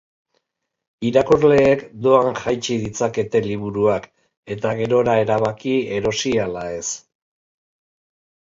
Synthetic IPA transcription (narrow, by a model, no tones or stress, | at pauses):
iɾakuzle̞ːkd̪o̞aŋʝajt͡ʃið̞it͡sake̞t̪e̞liβuɾuak | e̞t̪aɣe̞ɾo̞ɾae̞ɾaβ̞akie̞ɾo̞sialae̞s